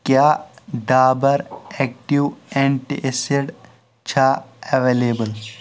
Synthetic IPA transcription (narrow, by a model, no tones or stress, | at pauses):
kjaːɖaːbəɾek̚ʈiwẽɳʈḭʔeseɖ | t͡ʃʰaeʋeːleːbəl